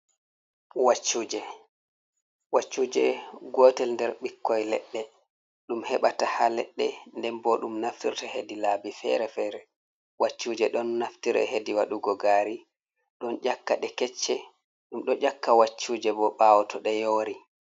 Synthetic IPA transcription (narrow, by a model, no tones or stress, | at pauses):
wat͡ʃːuːd͡ʒɛ | wat͡ʃːuːd͡ʒɛɡɔtɛlndɛɾɓikːɔjlɛ̰ɗːɛ | ɗumhɛɓatahalɛ̰ɗːɛndɛmbɔɗumnaftiɾtahedilaːbifɛ̰ɾɛfɛːɾɛ | wat͡ʃːuːd͡ʒɛɗɔnːaftiɾɛ̰ɦediwaɗuɡɔɡaɾi | ɗɔnd͡ʒakːa̰ɗɛkɛt͡ʃːɛ | ɗumɗɔd͡ʒakːawat͡ʃːuːd͡ʒɛbɔɓawɔtʰɔɗɛjoːɾi